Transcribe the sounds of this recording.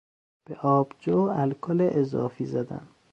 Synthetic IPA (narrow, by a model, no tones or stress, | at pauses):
b̥eʔɒːbd͡ʒoːælkʰoleʔezɒ̰ːfiːzæd̪æ̰n